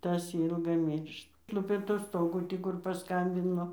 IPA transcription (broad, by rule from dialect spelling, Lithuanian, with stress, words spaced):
ˈtɐs ˈiːlˠɡɐɪ ˈmʲiːrʃt ˈlˠʊpʲeː tʊˈstoːɡuː ˈtʲiː kʊr pɐˈskɐmʲbʲɪnoː